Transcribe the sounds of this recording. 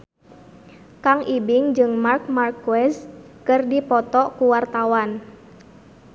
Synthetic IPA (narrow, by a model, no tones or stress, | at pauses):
kaŋʔibɪŋd͡ʒɨŋmark̚markwɛs | kɨrdipɔt̪ɔkuwart̪awan